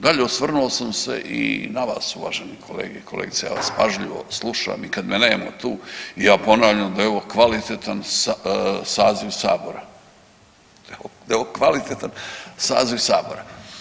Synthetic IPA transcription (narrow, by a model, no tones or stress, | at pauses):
d̪aʎeosʋr̩nuosamsḛʔḭnaʋa̰ːsuʋa̰ʒenikʰo̞lḛːɡeikʰoleːɡit̪seja̰ːʋa̰spaʒlʎiʋo̰slˠuʃa̰a̰mikad̪meneːmo̰t̪uːijaːpo̞naːʋʎamd̪aeo̞ʋo̞kʋalit̪et̪ansasaːziʋsa̰ːbo̞ɾa | d̪od̪aoʋokʋalit̪et̪ansa̰ːziʋsa̰ːboɾa